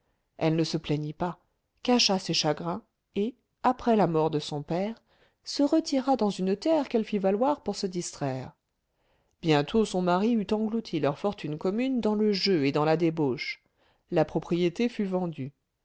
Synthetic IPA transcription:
ɛlnəsəplɛɲipa | kaʃaseʃaɡʁɛ̃ | e | apχɛlamɔʁd̪əsɔ̃pɛːʁ | səʁət̪ʰiʁad̪ɑ̃zynt̪ɛʁkɛlfivalwaʁpuʁsəd̪ist̪χɛːʁ | b̥jɛ̃t̪ʰosɔ̃maʁiyt̪ɑ̃ɡlut̪ʰilœʁfɔʁt̪ynkɔmynd̪ɑ̃ləʒøed̪ɑ̃lad̪eboʃ | lapχɔpχijet̪efyvɑ̃d̪y

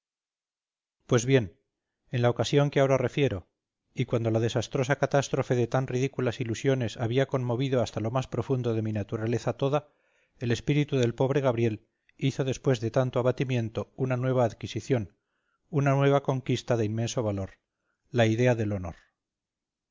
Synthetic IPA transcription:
pwe̞zβje̞n | e̞nlaokasjo̞ŋkeao̞ɾare̞fje̞ɾo̞ | ikwand̪o̞lað̞e̞sast̪ɾo̞sakat̪ast̪ɾo̞fe̞ðe̞t̪anriðikulasilusjo̞ne̞saβiako̞nmo̞βiðo̞ast̪alo̞maspɾo̞fund̪o̞ðe̞minat̪uɾale̞θat̪o̞ða | ele̞spiɾit̪uðe̞lpo̞β̞ɾeɣ̞aβɾje̞l | iθo̞ðe̞spwe̞zðe̞t̪ant̪oaβat̪imjẽ̞nt̪o̞unanwe̞β̞aːðkisiθjo̞n | unanwe̞β̞ako̞ŋkist̪aðeinmẽ̞nso̞βalo̞ɾ | laiðe̞aðe̞lo̞no̞̰ɾ

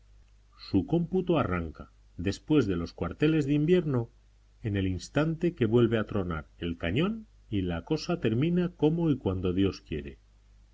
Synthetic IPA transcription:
suko̞mput̪oaraŋka | d̪e̞spwe̞zðe̞lo̞skwaɾt̪e̞le̞zðeimbje̞ɾno̞ | ene̞linst̪ant̪e̞ke̞βwe̞lβeat̪ɾo̞na̰ɾe̞lkaɲõ̞n | ilako̞sat̪e̞ɾmĩnako̞mo̞ikwand̪o̞ðjo̞skje̞̰ɾe̞̰

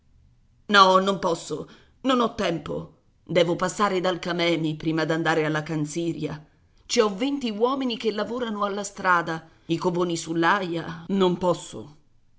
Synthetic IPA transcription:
nɔnompɔsːo | nonɔt̪ːɛmpo̰ | d̪ɛːvopasːaːɾed̪alkamɛːmipɾiːmad̪and̪aːɾealːakant̪siːɾja | t͡ʃiɔvent̪iwɔːminikelːavoːɾanoalːast̪ɾaːd̪a | ikovoːnisulːajanompɔsːo̰

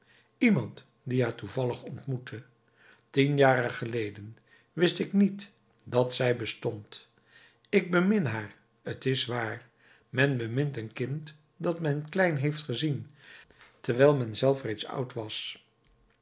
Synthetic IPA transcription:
imɑnt | diɦaːɹtuvɑləχɔntmutʰə | tinjaːrəχəlejdən | ʋɪstɪknit | dɑtsɛjbəstɔnt | ɪɡ̚bəmɪnɦaːɹ | ətɪsʋaːɹ | mɛnbəmɪntənkɪnt | dɑtmɛnklɛjnɦejftχəzin | təɹʋɛjlˠmɛnzɛlˠfrejtsʌ̰wtʋɑs

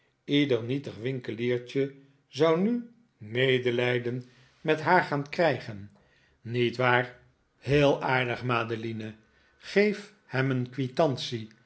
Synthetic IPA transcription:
idəɹnitəχʋɪŋkəliːɹt͡ʃə | zʌwny | mejdəlɛjdən | mɛtɦaːɹχaːnkrɛjχənː | itʋaːr | ɦɪːlˠaːɹdəχmaːdəlinə | χejf | hɛmənkʋitɑnsi

